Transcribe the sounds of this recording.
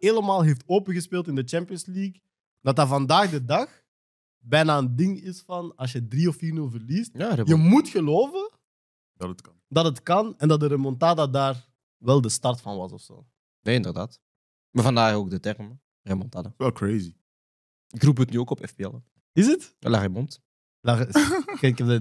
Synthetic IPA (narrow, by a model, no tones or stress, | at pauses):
eːləmaːlˠɦeːftoːpəɣəspeːlˠtɪndət͡ʃɛmpiənsliːk | d̥ɑtavɑndaːɣdədɑx | bɛjnaːəndɪŋɪsfɑnɑls̬jədriɔfiːrnʉlˠvərlist̚jaejəmutxəloːvə | dɑtətkɑndɑtətkɑnɛndɑt̚dəɾəmɔntaːdadaːr | ʋɛlˠdəstɑrtfɑnʋɑsɔfso̰ː | neːɪndərda̰ːt | mavɑndaːχoːɡ̚dətɛrm | remɔntaːdaʋɛlˠkɹeːzi | ɪkruːp̬ətnyoːkɔpɛ̰fbeɛ̰l | ɪsətla̰χəmɔnt | lakɛkɛə